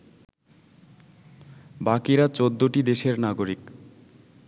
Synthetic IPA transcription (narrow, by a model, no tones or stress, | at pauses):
bakiɾat͡ɕod̪ːoʈid̪eʃeɾnaɡoɾik